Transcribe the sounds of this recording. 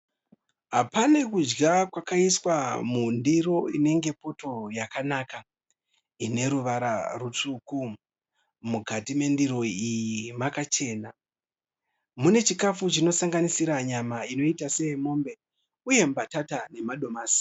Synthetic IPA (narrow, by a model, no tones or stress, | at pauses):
ɦapanekud͡ʒɡakwakaiswamundiɾo̞ine̞ŋɡe̞po̞to̞jakanaka | ine̞ɾuʋaɾarut͡ʂuku | muɡʱatime̞ndiɾo̞ijimakat͡ʃe̞ːna | mune̞t͡ʃikafut͡ʃino̞saŋɡanisiɾaɲamaino̞itase̞mo̞mbe̞ | uje̞mbatatane̞maɗo̞maːsi̥